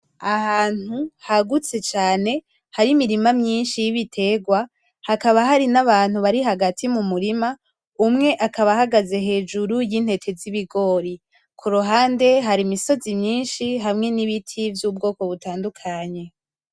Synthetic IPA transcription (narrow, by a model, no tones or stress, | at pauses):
ahaːn̥huhaɡut͡se̞t͡ʃaːne̞ | haɾimiɾimamɲiːnʃijiβitʰe̞ːɡwa | hakaβaɦaɾinaβaːn̥huβaɾiɦaɡatʰimumuɾima | umŋe̞ʔakaβahaɡaze̞ɦe̞ːd͡ʒuɾujin̥he̞tʰe̞ziβiɡo̞ːɾi | kʰuɾuɦaːnde̞ɦaɾimiso̞zimɲiːnʃiɦamŋe̞niβitʰivjuːb̚ɡo̞ːko̞βutaːndukʰaɲe̞